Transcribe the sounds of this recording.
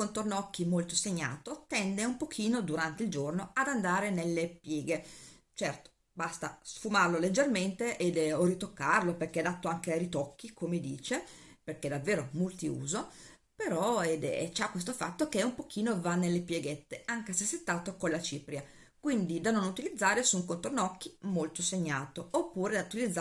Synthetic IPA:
kont̪ornɔkːimolt̪oseɲːa̰ːt̪ot̪ɛnd̪eumpokʰiːnod̪uɾant̪eild͡ʒornoad̪and̪aːɾenelːepjɛːɡe | t͡ʃɛrt̪o̥ | bast̪asfumarloled͡ʒːerment̪eʔed̪ɔrit̪okːarloperk̟ead̪at̪ːoaŋkeajɾit̪ɔkːikʰomed̪ḭːt͡ʃe | perked̪avːeːɾomult̪iṵːzo | peɾɔed̪t͡ʃakːwes̬t̪ofa̰t̪ːokeumpok̟ʰiːnovanːelːepjeɡet̪ːeaŋkesesːet̪ːaːt̪okonlat͡ʃiːpɾja | kwind̪id̪anonut̪ilid̪zːaːɾesuŋkont̪ornɔkʰːimolt̪oseɲːaːt̪oopːuːɾed̪aut̪ilid̪zː

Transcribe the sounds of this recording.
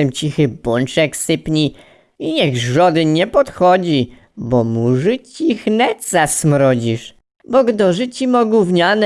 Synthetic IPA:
ɛmt͡ɕixɘbɔnt͡ʂɛksɘpɲi | iɲɛɣʐɔd̪ɘɲɛpɔt̪xɔd͡ʑi | bɔmuʐɘt͡ɕixnɛt̪sasmɾɔd͡ʑiʂ | bɔɡd̪ɔʐɘt͡ɕimɔɡwuvɲanɛ

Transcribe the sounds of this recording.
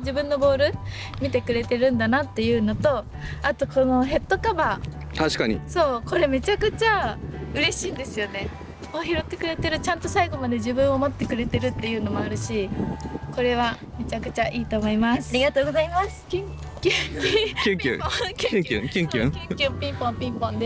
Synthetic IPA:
d͡ʑibɯ̟̃nːo̞bo̞ːɾɯ̟ | mʲit̪e̞kɯ̟ɾe̞t̪e̞ɾɯ̟̃nd̪anat̪ːe̞jɯ̟ːno̞t̪o̞ | at̪o̞ko̞no̞ɦe̞t̪ːo̞kabaː | t̪aɕi̥kaɲḭso̞ːko̞ɾe̞me̞t͡ɕakɯ̟t͡ɕaɯ̟ɾe̞ɕiːnd̪e̞sɨjo̞ne̞ | oçiɾo̞t̪ːe̞kɯ̟ɾe̞t̪e̞ɾɯ̟t͡ɕãnt̪o̞saiɡo̞mad̪e̞ʑibɯ̟̃ɰ̃omo̞t̪ːe̞kɯ̟ɾe̞t̪e̞ɾɯ̟t̪ːe̞jɯ̟ːno̞mo̞aɾɯ̟ɕi | ko̞ɾe̞βa | me̞t͡ɕakɯ̟̥t͡ɕaʔiːt̪o̞ːmo̞imasaɾiɡat̪oːɡozaimaskʲi | kʲɯkʲɨkʲɨ̰okʲɯ̰kʲĩŋkʲɨ̰̃kʲɨ̃ŋkʲɯpʲĩmpõmpʲĩmpõnd̪e

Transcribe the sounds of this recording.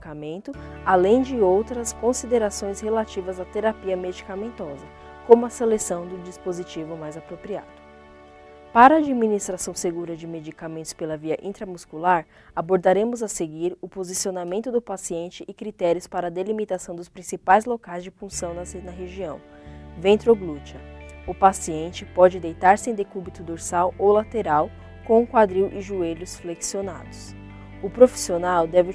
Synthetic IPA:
kamẽnt̪ʊalẽj̃d͡ʒɪowt̪ɾɐskõsid̪eɾasõj̃shelat͡ʃivɐzat̪eɾapiɐmed͡ʒikamẽnt̪ɔzɐ | kõmʊɐselesɐ̃w̃d̪ʊd͡ʒispozit͡ʃivʊmajzapɾopɾia̰d̪̥ʊ | paɾɐaːd͡ʒiminist̪ɾasɐ̃w̃seɡuɾɐd͡ʒɪmed͡ʒikamẽnt̪ʊspelɐviɐʔḭ̃nt̪ɾɐmuskulaɾ | aboɾd̪aɾẽmʊzɐseɡiɾʊpozisionamẽnt̪ʊd̪ʊpasiẽnt͡ʃɪʔɪkɾit̪ɛɾiʊspaɾɐːd̪elimit̪asɐ̃w̃d̪ʊspɾĩsipajzlokajzd͡ʒɪfũsɐ̃w̃nɐnɐɦeʒiɐ̰̃w̃vẽnt̪ɾoɡlut͡ʃɐʊpasiẽnt͡ʃɪpɔd͡ʒɪd̪ejt̪aɾsɪẽd̪ekubit̪ʊd̪oɾsawowlat̪eɾaw | kõkwad̪ɾiwʔɪʒueʎʊsfleksiona̰d̪ʊs | ʊpɾofi̥sionawd̪ɛvɪ

